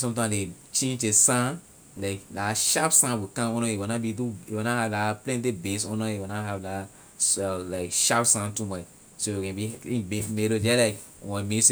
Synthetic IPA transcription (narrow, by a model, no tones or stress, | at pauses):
sɔ̃mtãle | t͡ʃẽnd͡ʒesãn | laɪkdaʃapsãnwikãɔ̃nɔ̃iwonabiduiwunahavdaplɛ̃nt̬ebesɔ̃nɔ̃iwunaɦavda | sɛlaɪkʃapsãntumat͡ʃ | sojikɛ̃biĩbemeɾod͡ʒɛlaɪk | wɔ̃mes